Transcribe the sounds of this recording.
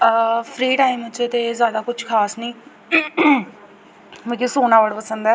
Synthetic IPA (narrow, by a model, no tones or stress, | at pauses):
pʰɾiːʈaːimət͡ʃet̪eːzjaːd̪aːkʊt͡ʃʰkʰaːsnĩː | mə̃kisoːnãːʋəɽpəsənd̪ɛː